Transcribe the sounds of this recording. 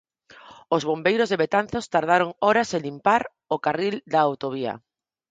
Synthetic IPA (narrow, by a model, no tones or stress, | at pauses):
ozβombejɾozðeβet̪anθost̪aɾðaɾoŋɔɾaselimpaɾ | okarild̪aːwt̪oβ̞ia̰